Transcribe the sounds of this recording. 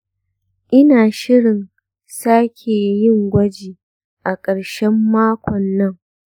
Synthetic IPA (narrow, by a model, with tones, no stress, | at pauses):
ʔɪ˦naː˨ʃɪ˦ɽɪ˨n | saː˦kʲʰeː˨jɪ˦˨ŋɡʷɐ˦d͡ʒiː˨ | ʔa˨kʼɐ˨ɽʃɛ˦mːaː˦kʷʰɔ˨nːɐ˦ŋ